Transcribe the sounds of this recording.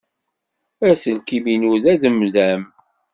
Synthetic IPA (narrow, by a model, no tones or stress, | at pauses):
æsəlkiminuðæðəmðæm